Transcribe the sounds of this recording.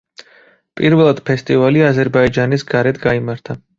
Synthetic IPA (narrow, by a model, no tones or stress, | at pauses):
pʼiɾvɛlˠad̪̥pʰɛst̪ʼivaliazɛɾbaid͡ʒanisɡaɾɛt̪ʰɡaimaɾt̪ʰa